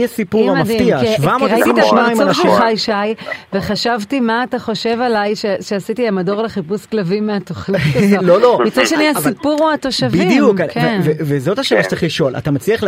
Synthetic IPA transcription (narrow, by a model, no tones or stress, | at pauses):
asipuʁammafditiaʃvamotaitiimtʃnaĩmonaʃvuχajʃajve̞χaʃavtimaːtaχo̞ʃe̞valajʃeʃeasitiamado̞ʁleχipusklavimeatoχnilolomit͡sadʃeniasipuʁuato̞ʃavbiidijukaknvevezo̞taʃelaʃtt͡sʁiχliʃo̞la̰tamat͡sliaχ